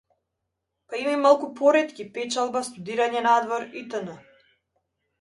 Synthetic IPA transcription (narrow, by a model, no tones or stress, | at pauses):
paimimalˠkupɔɾɛt̪kʲipɛt͡ʃalˠbast̪ud̪iɾaɲɛnad̪vɔɾit̪ənə